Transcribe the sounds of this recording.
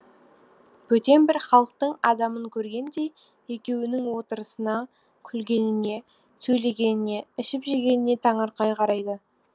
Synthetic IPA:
b̥ɵt̪e̞mbɪɾχɑlˠəq̚t̪əɴɑd̪ɑməŋkʲʰɵɾɡʲe̞nd̪e̞j | je̞kʲe̞wɪnɪŋwo̞t̪əɾəsənɑ | kʲʰʏlɡʲe̞nɪne̞ | sɵjle̞ɡʲe̞nɪne̞ɪʃɪpʒeɡʲe̞nɪne̞t̪ʰɑɴɑɾqɑjqʰɑɾɑjd̪ə

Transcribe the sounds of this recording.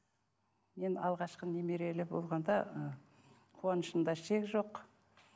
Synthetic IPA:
me̞nɑ̰lˠʁɑʃqənemeɾe̞lɪbolˠʁɑnd̪ɑə | qʰuɑnəʃənd̪ɑʃe̞kʒo̞q

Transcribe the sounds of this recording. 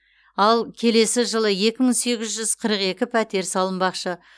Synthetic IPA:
ɑlˠkʲʰe̞le̞sɪʒəlˠəje̞kʲɪməŋse̞ɡʲɪzʒʏzqʰəɾəqe̞kʲɪpʰæt̪e̞ɾsɑlˠəmbɑqʃə

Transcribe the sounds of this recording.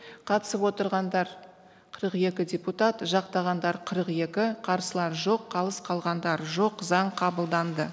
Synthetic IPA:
qʰɑt̪ə̥səpwo̞t̪əɾʁɑnd̪ɑɾ | qʰəɾəqe̞kʲɪdʲeput̪at̪ʒɑq̚t̪ɑʁɑnd̪ɑɾqʰəɾəqje̞kʲɪqʰɑɾsəlˠɑɾʒo̞qʰːɑlˠəsqʰɑlˠʁɑnd̪ɑɾʒo̞qzɑɴqʰɑbəlˠd̪ɑnd̪ə

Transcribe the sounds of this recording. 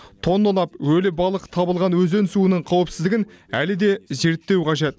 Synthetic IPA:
t̪ʰo̞nd̪olˠɑpwɵlɪbɑlˠəqt̪ʰɑbəlˠʁɑnwɵze̞nsuənəɴqʰɑwəpsɪ̥zd̪ɪɡʲɪnælɪd̪e̞ze̞ɾt̪ːe̞wqʰɑʒe̞t̪

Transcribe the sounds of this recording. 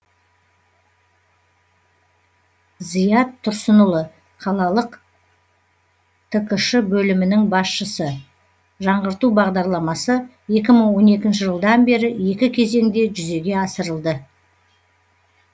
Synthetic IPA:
zijɑt̪ʰːʊɾsənəlˠə | qʰɑlˠɑlˠəq | t̪ʰəkəʃɪbɵlɪmɪnɪŋbɑsʃəsə | ʒɑɴʁəɾt̪ubɑʁd̪ɑɾlˠɑmɑsə | je̞kʲɪməŋwo̞ne̞kʲɪnʃ̬ɪʒəlˠd̪ɑnbe̞ɾɪje̞kʲɪkʲʰe̞ze̞ŋd̪e̞ʒʏze̞ɡʲe̞ɑsəɾəlˠd̪ə

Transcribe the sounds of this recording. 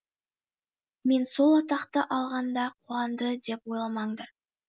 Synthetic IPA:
me̞nso̞lˠɑt̪ɑqt̪əʔɑlˠʁɑnd̪ɑqʰuɑnd̪əd̪e̞pwo̞jlˠɑmɑɴd̪ɑɾ

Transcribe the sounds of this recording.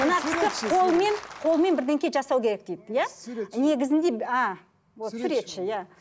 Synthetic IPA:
mənɑq̪ʰɪ̥k̪ɪo̞lˠme̞nqʰo̞lˠme̞nbɪɾd̪eŋkʲe̞ʒɑsɑwkʲʰe̞ɾe̞k̚d̪̥ejd̪jane̞ɡʲɪzɪnd̪e̞a | wosʏɾet̪ʃɪjæ

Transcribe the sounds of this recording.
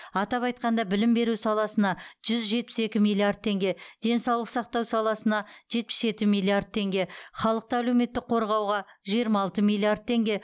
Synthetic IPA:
ɑt̪ɑpɑjt̪̚qɑnd̪ɑbɪlɪmbe̞ɾusɑlˠɑsənɑʒ̥ʏzʒe̞t̪̚pɪ̥se̞kʲɪmijlˠiard̪̚t̪ʰːe̞ŋɡʲe̞d̪̥e̞nsɑwlˠəq̪sɑq̚t̪ɑwsɑlˠɑsənɑʒe̞t̪̚pɪ̥sʒe̞t̪ɪmilˠiard̪̚t̪ʰe̞ŋɡʲe̞χɑlˠəq̚t̪ɑælewme̞t̪ːɪk̚qʰo̞ɾʁɑwʁɑʒijəɾmɑːlˠt̪əmilˠiard̪̚t̪ʰːe̞ŋɡʲe̞

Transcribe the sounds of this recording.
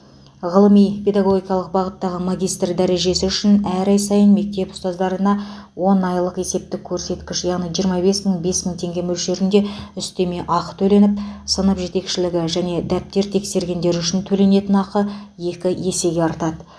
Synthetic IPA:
ʁəlˠəmijpʰʲe̞d̪aɡo̞ɡʲikɑlˠəq̚bɑʁət̪ːɑʁəmaɡʲijst̪rd̪æɾe̞ʒe̞sɪʏʃɪnæɾɑjsɑjənme̞k̚t̪e̞pʊ̥st̪ɑzd̪ɑɾənɑ | wo̞nɑjlˠəqe̞se̞p̚t̪ɪkʲʰːɵɾse̞t̪kʲɪʃjɑʁnijʒijəɾmɑbe̞sməɴbe̞sməŋt̪ʰe̞ŋɡʲe̞mɵlʃe̞ɾɪnd̪e̞ʏst̪e̞me̞ʔɑqt̪ʰɵle̞nɪp̚sənəpʒe̞t̪e̞kʃɪlɪɡʲɪʒæne̞d̪æp̚t̪e̞ɾt̪ʰe̞kse̞ɾɡʲe̞nd̪e̞ɾʏʃɪnt̪ʰɵle̞ne̞t̪ɪnɑqəje̞kʲɪje̞se̞ɡʲe̞ɑɾt̪ɑd̪ə

